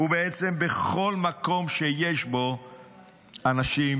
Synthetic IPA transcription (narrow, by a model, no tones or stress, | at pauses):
ubeet͡sembeχo̞lmako̞mʃejeʃbo | anaʃim